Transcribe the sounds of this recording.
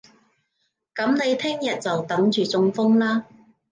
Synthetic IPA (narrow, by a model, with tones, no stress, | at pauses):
kɐ˨˥mne˨˧jt̪ʰɪ˥ŋjɐ˨t̚t͡sɐ˨wt̪ɐ˨˥ŋt͡ʃyː˨t͡sʊ˧ŋfʊ˥ŋlaː˥